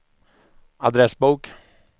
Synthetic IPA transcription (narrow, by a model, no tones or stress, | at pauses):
ad̪ɾɛsbuːk